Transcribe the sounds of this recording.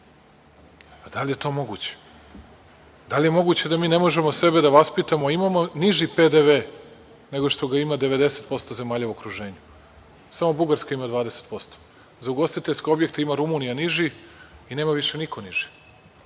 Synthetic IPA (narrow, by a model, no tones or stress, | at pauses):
d̪alije̞t̪o̞ːmo̞ɡuːt͡ɕe̥ | d̪alʲije̞mo̞ɡuːt͡ɕe̞d̪amiːne̞mo̞ʒe̞mose̞be̞d̪aʋaspit̪amoimamo̞niʒiped̪eʋe | ne̞ɡoʃt̪o̞ɡaimad̪e̞ʋe̞d̪e̞se̞t̪̚po̞st̪o̞ze̞maːʎauo̞kɾuʒe̞ːɲu | samo̞buɡaɾskaimad̪ʋaːd̪eset̪̚po̞st̪o̥ | zauɡo̞st̪it̪eskʲeo̞bjekt̪imaɾumunijaniʒiine̞ːmaʋiʃe̞nikʰo̞niʒ̥i̥